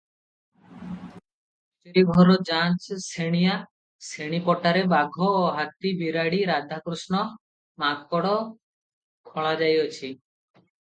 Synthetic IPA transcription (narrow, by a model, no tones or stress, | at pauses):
t͡ʃeɾibʱɔɾɔd͡ʒat͡ʃseɽ̃ija | seɽ̃ipɔʈaɾebaɡʱɔːɦat̪ibiɾaɽiɾad̪ʱakɾusnɔ | mak̚pɔɽɔ | kʰɔɭad͡ʒajɔt͡ʃʰi